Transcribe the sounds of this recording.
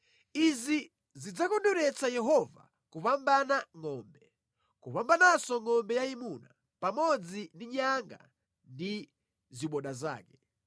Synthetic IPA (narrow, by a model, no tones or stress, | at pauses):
izi | zid͡zakɔndɔɾɛt͡sajɛɦɔva̰ | kupambanaŋɔmbɛ | kupambanasɔŋɔmbɛjaimuna̰ | pamɔd͡zindiɲaŋɡa̰ | ndi | ziɓɔɗaza̰ːkɛ̥